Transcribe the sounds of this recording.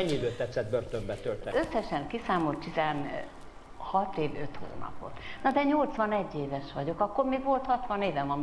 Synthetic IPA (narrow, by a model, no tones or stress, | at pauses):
ɛɲːid̪øːt̪ɛt̪sːɛt̪̚børt̪ømbɛt̪ølt̪ɛøsːɛʃɛŋkisaːmo̞lt̪t̪izɛn | hɒt̪eːvø̰t̪ho̰ːnɒ̰po̞̰t̪nɒd̪ɛɲo̞lt̪sʋɒnɛɟːeːvɛʃʋɒɟo̞kɒkːormeːɡʋo̞lt̪hɒt̪ʋɒneːvɛmɒm